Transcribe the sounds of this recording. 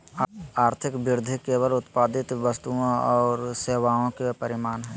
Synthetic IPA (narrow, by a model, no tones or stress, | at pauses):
aːɾt̪ʰɪkbɪɾd̪ʱikeːʋəlʊt̪paːd̪ɪt̪ʋəst̪uõɔːɾseːʋaːõkepəɾɪmaːnɦɛː